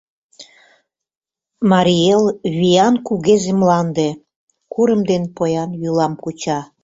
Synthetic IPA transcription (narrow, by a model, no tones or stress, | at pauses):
mɑɾʲielβijɑnkuɣezemlɑnd̪e | kuɾəmd̪enpojɑnjylɑmkut͡ɕɑ